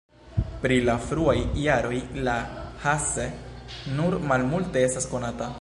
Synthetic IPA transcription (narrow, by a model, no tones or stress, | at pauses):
pɾilafɾuajːaɾo̞jlahasenuɾmalmulte̞e̞stasko̞nata